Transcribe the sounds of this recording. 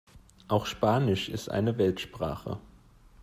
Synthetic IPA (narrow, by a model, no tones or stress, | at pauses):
ʔaʊxʃpaːnɪʃɪstʔa̰ɪnəvɛltʃpʁ̥a̰ːχə̰